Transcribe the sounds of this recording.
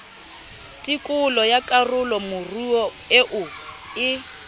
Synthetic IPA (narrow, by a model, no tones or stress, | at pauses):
tʼɪkʼʊlɔjakʼarʊlɔmʊruɔ | ɪʔʊ | ɪ